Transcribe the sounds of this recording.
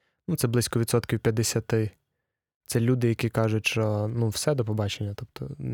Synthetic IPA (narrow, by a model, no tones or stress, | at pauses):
nut̪sɛblˠɪsʲkɔʋʲid̪sɔt̪kʲiwpʲjɐd̪esʲat̪ɪ | t̪sɛlʲud̪ɪjɐkikɑʒʊtʲʃt͡ʃɔnuwsɛd̪ɔpɔbɑt͡ʃenʲːɐt̪ɔpt̪ɔ̰